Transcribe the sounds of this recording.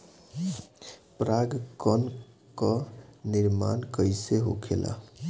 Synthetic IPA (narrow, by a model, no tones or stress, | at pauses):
pɾaɡkən | kəniɾma̰nkəjseɦo̰kʰelʔa̰